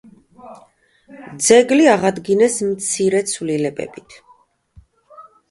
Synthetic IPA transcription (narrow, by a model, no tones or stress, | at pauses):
d̪zɛɡliaʁad̪ɡinɛsmt̪sʰiɾɛt̪sʰvlilɛbɛ̰bit̪ʰ